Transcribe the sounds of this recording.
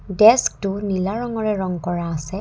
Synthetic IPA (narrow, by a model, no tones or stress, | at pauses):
dɛsk̚tʊnilaɹɔŋɔɹɛɹɔŋkɔɹaːsɛ